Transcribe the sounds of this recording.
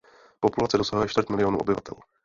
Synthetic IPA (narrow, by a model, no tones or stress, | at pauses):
populat͡sɛdo̞saɦujɛʃt̪vərt̪mɪlɪo̞nṵːʔobɪvat̪ɛ̰l